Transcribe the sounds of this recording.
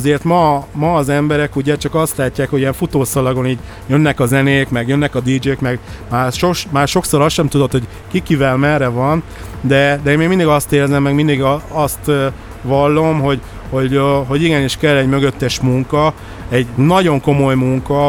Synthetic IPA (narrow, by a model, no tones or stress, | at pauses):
zeːrt̪mɒmɒːzɛmbɛɾɛkuɟɛt͡ʃɒkɒst̪laːcːaːkhoɟijɛɱfut̪oːsɒlɒɡo̞niːɟ | jønːɛkɒzɛneːkmɛɡjønːɛkɒd̪iːd͡ʒeːkmɛɡmaːrʃoʃmaːrʃo̞ksoɾɒsʃɛmt̪ud̪o̞t̪ho̞ɟ | kikivɛlmɛrːɛvɒn | d̪ɛd̪ɛeːmeːɡmind̪iɡɒst̪eːɾzɛmːɛɡmind̪iɡɒst̪ | ʋɒlːo̞mɦo̞ɟ | ho̞ɟɦo̞ɟiɡɛniʃkɛlːɛɟmøɡø̞t̪ːɛʃmuŋkɒ | ɛɟnɒɟo̞ŋko̞mo̞jmuŋkɒ